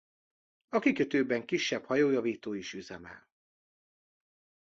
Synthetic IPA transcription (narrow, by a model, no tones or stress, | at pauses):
ɒkikøt̪øːbɛŋkiʃːɛbhɒjoːjɒviːt̪oːiʃyzɛmɛ̰l